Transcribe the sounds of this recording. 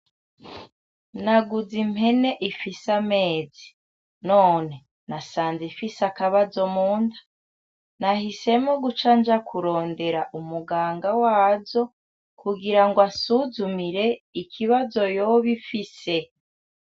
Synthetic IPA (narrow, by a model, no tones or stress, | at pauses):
naɡuzime̞ne̞ʔifisameːzi | noːne̞ | nasaːnzifisakaβazo̞muːndḁ | nahise̞moɡut͡ʃand͡ʒakʰuɾo̞ːnde̞ɾaʔumuɡaːŋɡawaːzo̞ | kuɡiɾaŋɡwasuzumiɾe̞ikʰiβazo̞joβifise̞